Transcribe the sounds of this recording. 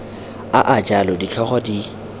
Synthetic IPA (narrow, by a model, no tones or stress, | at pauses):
aʔat͡ʃʼalɔdikʰɛχɔdi